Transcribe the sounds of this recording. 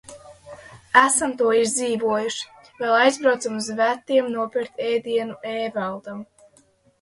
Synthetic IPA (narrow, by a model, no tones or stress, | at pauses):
æsamt̪uɔiʒd̪ziːvuɔjuʃi̥ | vɛlˠajzbɾawt̪samuzvæt̪ːiɛmnuɔpiɾt̪ʲɛːd̪iɛnuɛːvalˠd̪am